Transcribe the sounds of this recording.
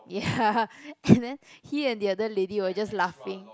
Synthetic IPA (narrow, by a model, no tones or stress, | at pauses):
ja | ɛ̃ndɛ̃nhiɛ̃ndiadəlediwəd͡ʒaslafɪ̃ŋ